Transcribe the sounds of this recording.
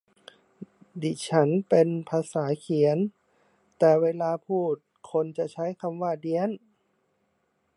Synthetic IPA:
diː˧˩t͡ɕʰa˦˥npe˧npʰaː˧saː˩˦kʰi˨˩˦ə˦n | t̪ɛː˨˩weː˧laː˧pʰuː˥˩t̪̚kʰo˧nt͡ɕa˧˩t͡ɕʰa˦˥jkʰa˧mwaː˧˩di˧ən

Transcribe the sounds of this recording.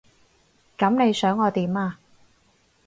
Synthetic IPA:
kɐ˨˧˥mne˨˧jsœː˨˥ŋɔː˨˧t̪iː˨˥maː˧

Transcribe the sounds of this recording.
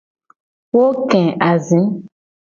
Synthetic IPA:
wo˦kɛ̃˨ʔa˨zĩ˨˦

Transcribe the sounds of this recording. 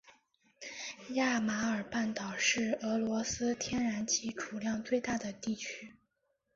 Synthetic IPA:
ja˥˩ma˧˥ə˞˨˩pa˥˩nt̪ɑ˨˩ʊʂɻ̩˥˩ɤ˧˥lwɔ˧˥sɹ̩˥t̪ʰjɛ˥nɻa˧˥nt͡ɕʰi˧˥ʈ͡ʂʰu˨˩ljɑ˥˧ŋt͡swe˥˧ɪt̪a˥˩d̪ə˩t̪i˥˩t͡ɕʰy˥

